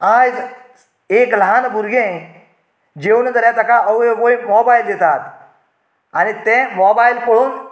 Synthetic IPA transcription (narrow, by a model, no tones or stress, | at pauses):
aːd͡ʒ | eːklaːnbʱʊɾɡẽ | d͡ʒeːuned̪ɐɾẽːt̪ɐkaʔɐeʋoːimoːbaːɪld̪eːt̪aːt̪ʰ | anit̪ẽmoːbaːɪlpoɽuːn